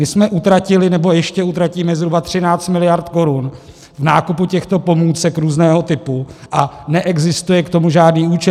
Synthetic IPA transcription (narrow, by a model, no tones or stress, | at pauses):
mɪsmɛʔut̪ɾacɪlɪnɛbo̞jɛʃcɛut̪ɾaciːmɛzɦɾubat̪r̝̥ɪnaːtt͡st̪mɪlɪjaɾt̪ko̞ɾun | vnaːkupucɛxt̪o̞po̞muːt͡sɛkɾuːznɛːɦo̞t̪ɪpuʔanɛʔɛɡzɪst̪ujɛkt̪o̞muʒaːdniːuːt͡ʃɛ